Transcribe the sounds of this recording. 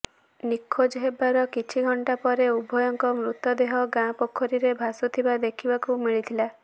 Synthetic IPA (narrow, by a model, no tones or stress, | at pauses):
nikʰːod͡ʒɦebaɾɔkit͡ʃʰiɡʱɔɳʈapɔɾeubʱɔjɔŋkɔmɾut̪ɔd̪eɦɔɡãpokʰːɔɾiɾebʱasɔt̪ʰibad̪ekʰibakumiɭit̪ʰila